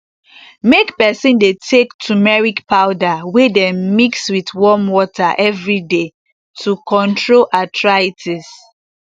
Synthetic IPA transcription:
mekpɛsĩndetʰektʰumɛɹikpaʊdawedɛ̃mmikswitwɔmwɔtaʔɛvɹide | tʰukɔ̃ntɹolʔatʰɹaitʰis

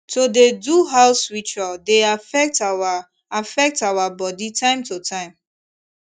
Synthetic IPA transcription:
todeduɦaʊswit͡ʃɔdeafɛk̚t | afɛk̚tawabɔditʰãɪ̃mtotʰãɪ̃m

